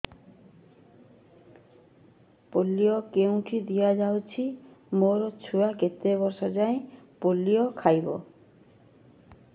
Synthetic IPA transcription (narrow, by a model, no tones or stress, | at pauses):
polːiokew̃ʈʰid̪ijad͡ʑawt͡ɕʰimoɾot͡ɕʰuaket̪ebɔɾʃɔd͡ʑaepolːiokʰajbo̰